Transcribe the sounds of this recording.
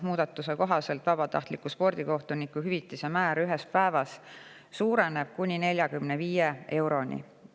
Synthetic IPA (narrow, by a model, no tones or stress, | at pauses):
muːd̪̥ɑt̪ːˑuse̞ko̞ɦɑse̞lt̪vɑb̥ɑt̪ɑ̰ht̪likˑuspo̞rd̪̥iko̞ht̪unikːˑuhyvit̪ːˑise̞mæːɾyɦe̞spæe̞vɑs | suːɾe̞ne̞b̥̚kunʲine̞lʲjɑkymneviːjeʔe̞wɾo̞nʲḭ